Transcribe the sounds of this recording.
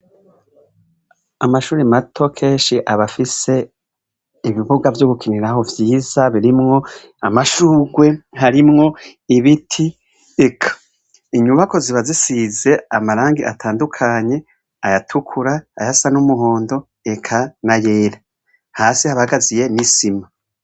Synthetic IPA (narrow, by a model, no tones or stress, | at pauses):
amaʃuːɾimatʰo̞kʰe̞ːnʃiʔaβafise̞ | iβiβuɡavjoɡukiniɾaho̞vjiːz̥aβiɾimŋo̞ | amaʃuːɡwe̞haɾimŋo̞iβitʰi | ekʰḁ | iɲuβako̞ziβazisize̞amaɾaːŋɡiʔatʰaːndukʰaɲe̞ | ajatʰukʰuɾaːjasanumuɦo̞ːndo̞ | ekʰanajeːɾa | haːsihaβahaɡazije̞nisima